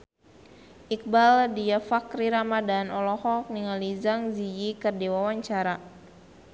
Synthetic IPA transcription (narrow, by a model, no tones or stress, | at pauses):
ʔik̚baldijafakriɾamadanɔlɔhɔk̚niŋalizaŋzid͡ʒikərdiwawaɲt͡ʃaɾa